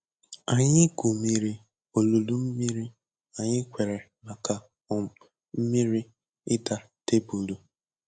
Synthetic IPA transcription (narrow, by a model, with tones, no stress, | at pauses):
a˨ɲɪ˦ɡu˨mi˨ɾi˦ | o˨lo˨lu˦m̩˦mi˦ɾi˦ | a˨ɲɪ˦kʷe˨ɾe˨ | la˨ka˨ | ɔ˨m̩˨ | m̩˦mi˦ɾi˦ | ɪ˦da˦ | te˦bu˨du˨